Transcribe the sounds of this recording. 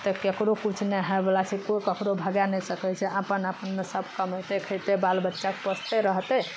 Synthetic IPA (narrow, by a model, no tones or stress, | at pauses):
t̪ɔkekɾokut͡ʃʰneɦɛbelasikokəkɾobʱəɡanɛsəkɛt͡ʃʰɛapənapənmesəbʱkəməjt̪ekʰət̪ebalbətːʃakepəst̪eɾəɦt̪ɛ